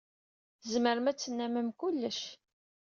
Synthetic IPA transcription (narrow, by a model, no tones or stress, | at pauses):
zməɾəmæt͡sːənːæməmkʊlːəʃ